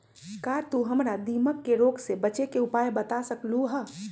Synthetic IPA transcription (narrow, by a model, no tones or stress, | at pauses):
kaːɾt̪uɦəmɾad̪iːməkːeɾoːɡsebət͡ʃekeʊpaːjbət̪asəkluɦə